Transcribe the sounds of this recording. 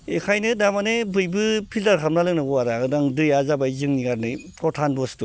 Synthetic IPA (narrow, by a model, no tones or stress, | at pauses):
ekʰajnɯdamanebɯjbɯpʰildaɾkʰamnalɯŋnɯɡɔaɾaɯdaŋdɯjazabajzɯŋniɡaɾnɯjpʰɾɔtʰanbɔstu